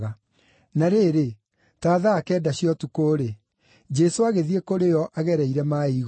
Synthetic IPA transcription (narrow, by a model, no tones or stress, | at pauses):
ɣa | naɾeːɾe | taːðaːkɛːdaɕiɔtukoːɾe | d͡ʒɛsoaɣeðiekoɾejɔʔaɣɛɾɛiɾɛmaiɣ